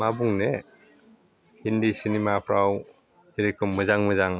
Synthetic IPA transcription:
mabuŋne | hindisinimapʰɾaw | eɾekʰɯmːɯzaŋmɯzaŋ

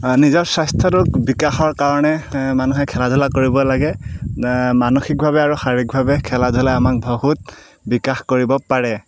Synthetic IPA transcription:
nizɔɹsastʰɔtʊkbikaxɔɹkaɹɔnɛmanuxɛkʰɛladʱʊlakoɹibɔlaɡɛ | manoxik̚bʱaβɛaɹuxaɹik̚bʱabɛkʰɛladʱʊlaamak̚bʱɔɦut̚ | bikaxkoɹibɔpaɹɛ

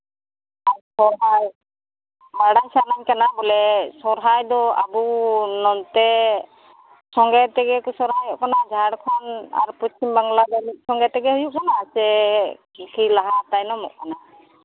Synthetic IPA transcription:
aɾsɔɾɦaj | maɽajsanaɲkanabɔlɛsɔɾɦajd̪ɔa̰bunɔnt̪ɛ | sɔŋɡɛt̪ɛɡɛkusɔɾɦajɔʔkanad͡ʒʱaɽkʰɔna̰ɾpɔt͡ʃimbaŋɡlad̪amit̪̚ˀsɔŋɡɛt̪ɛɡɛɦujuʔkanasɛkikʰilaɦat̪ajnɔmɔ̰ʔkana

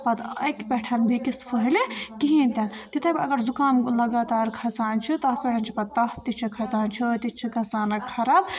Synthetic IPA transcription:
pɐd̪ɐjkpʲeʈʰɐnbʱikispʰəɦilekiɦĩnt̪ɐnt̪it̪ʰɐjpʲɐɡɐɾzukaːmlɐɡaːt̪aːɾkʰɐt͡saːnt͡ʃʰit̪ɐpʲeʈʰɐnt͡ʃʰi̥pɐd̪̚t̪ɐft̪it͡ʃʰikʰɐt͡saːnt͡ʃʰit̪it͡ʃʰikʰɐt͡saːnɐkʰɐɾaːb

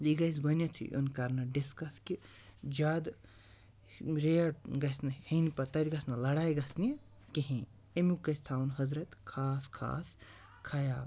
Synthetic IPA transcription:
liɡɐjs̬ɡɐnʲɐt͡sʰṵʔo̰nkɐɾnɐɖiskɐskʲi | d͡ʒaːd̪ | ɾejɐɡɐsnɐhinpɐt̪ɐt̪ʲɡɐsnɐlɐɽaːjɡɐsni | kiɦĩ | emukːɐst̪ʰaːwnɦɐzɾɐt̪kʰaːskʰa̰ːs | kʰɐjaːl

